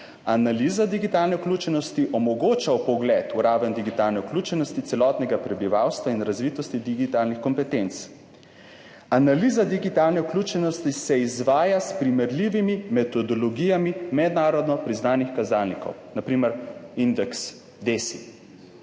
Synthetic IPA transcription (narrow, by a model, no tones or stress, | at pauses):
analizad̪iɡit̪alnɛuklʲuːt͡ʃɛnɔst̪iʔɔmɔɡoːt͡ʃaupɔɡlɛt̪uɾaːʋɛnd̪iɡit̪alnɛuklʲuːt͡ʃɛnɔst̪it̪sɛlɔːt̪nɛɡapɾɛbiʋawst̪ʋainɾazʋiːt̪ɔst̪id̪iɡit̪alnixkɔmpɛt̪ent̪s | analiːzad̪iɡit̪aːlnɛuklʲuːt͡ʃɛnɔst̪isɛizʋaːjaspɾimɛɾliːʋimimɛt̪ɔd̪ɔlɔɡiːjamimɛd̪naːɾɔd̪nɔpɾiznaːnixkazalnikɔ̰wnapɾiːmɛɾind̪ɛks | d̪esḭ